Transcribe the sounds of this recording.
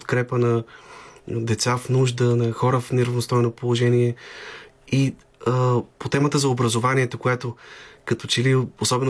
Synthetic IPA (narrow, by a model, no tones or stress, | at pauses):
t̪kɾɛpənɐ | d̪ɛt̪safnuʒd̪ənɐxɔɾəfnɛɾɐvnost̪ɔjnopolˠoʒɛniɛ | i | əpot̪ɛmət̪əzɐobɾəzovaniɛt̪okojat̪okɐt̪ɔt͡ʃɛliosɔbɛn